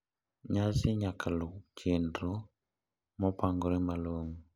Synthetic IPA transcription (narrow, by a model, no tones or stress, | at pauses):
ɲasiɲakʰalot͡ʃʰendɾo | mɔpaŋɡɔɾɛmaloŋu